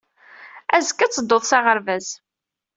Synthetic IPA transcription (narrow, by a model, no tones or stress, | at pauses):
æzəkːæt͡sːəd̪ːoðˤsɑʁəɾvæz